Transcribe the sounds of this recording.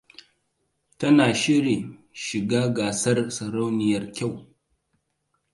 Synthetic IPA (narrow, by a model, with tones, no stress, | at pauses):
tɐ˦naː˨ʃɪ˦ɽi˨ | ʃɪ˨ɡaː˦ɡaː˨sɐ˦rsɐ˨ɾa˦wnɪ˨jɐ˦rkʲa˦˨w